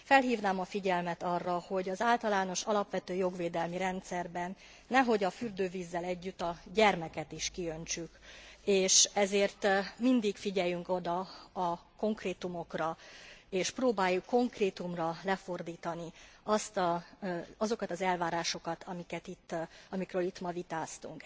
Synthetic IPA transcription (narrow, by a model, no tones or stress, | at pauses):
fɛlɦiːvnaːmɒfiɟɛlmɛt̪ɒrːɒho̞ɟɒzaːlt̪ɒlaːno̞ʃɒlɒpʋɛt̪øːjo̞ɡʋeːd̪ɛlmiɾɛnt̪sɛrbɛnː | ɛɦo̞ɟɒfyrd̪øːviːzːɛlɛɟːyt̪ːɒɟɛrmɛkɛt̪iʃkiø̞nt͡ʃykeːʃɛzeːrt̪mind̪ikfiɟɛjyŋko̞d̪ɒɒko̞ŋkreːt̪umo̞krɒeːʃproːbaːjːukːo̞ŋkreːt̪umrɒlɛfo̞rd̪iːt̪ɒniɒst̪ɒ | ɒzo̞kɒt̪ɒzɛlvaːɾaːʃo̞kɒt̪ʰɒmikɛt̪it̪ːɒmikrøːlit̪mɒvit̪aːst̪ṵŋk